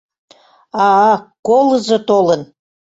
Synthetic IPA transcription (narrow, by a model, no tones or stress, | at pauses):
ɑkolə̆zot̪olən